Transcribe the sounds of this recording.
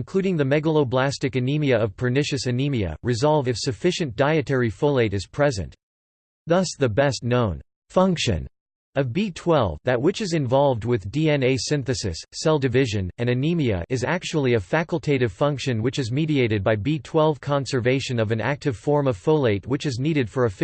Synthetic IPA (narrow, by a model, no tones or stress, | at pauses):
nkʰl̥ʉɾɪ̃ŋðɨmɛɡəlˠoʊblæstɨkɨnimiɨʌv̥pʰə˞nɪʃɨsɨnimiɨ̰ɹɨzɑlˠvɨfsɨfɪʃɨ̃nd̥aɪɨtʰɛɹifoʊlˠeɪɾɨz̥pʰɹ̥ɛzɨ̰̃nt | ðʌsðɨbɛstⁿnõʊ̃n | fʌ̃ŋkʃɨ̰̃n | ʌvbitʰw̥ɛlˠvðɨt̚wɨt͡ʃɨzɨ̃ɱvɑlˠvd̚wɨðdiɛ̃neɪsɪ̃nθɨsɨ̰sːɛlˠdɨvɪʒɨ̃nɨ̃nɨnimiɨ̰ʔɨzæk̚t͡ʃul̩ˠiɨfækl̩ˠtʰeɪɾɨv̥fʌ̃ŋkʃɨ̃nwɨt͡ʃɨzmiɾieɪɾɨd̚baɪbitʰw̥ɛlˠv̥kʰɑ̃nsə˞veɪʃɨ̃nʌvɨ̃næ̰k̚tɨv̥fɔɹmʌv̥foʊlˠeɪt̚wɨt͡ʃɨzniɾɨd̥fə˞ɨf